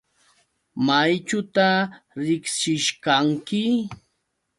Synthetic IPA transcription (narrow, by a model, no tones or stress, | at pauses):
majt͡ʃʊt̪aɾɪkʃɪʃkaŋkɪ